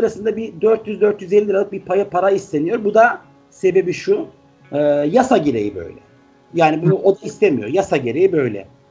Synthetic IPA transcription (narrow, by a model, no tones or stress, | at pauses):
sɯɾasɯnd̪abid̪øɾt̪jyzd̪øɾt̪jyzelʲːiiɾalˠɯk̚biɾpʰajapʰaɾaist̪ʰe̞nijo̞ɾbud̪a | se̞be̞biʃu | ɯːjasaɟeɾe̞jibø̰jlʲɛ̰ | jaːnibunuʔo̞d̪aist̪ʰemijo̞ɾjasaɟeɾejibø̞jlʲɛ̰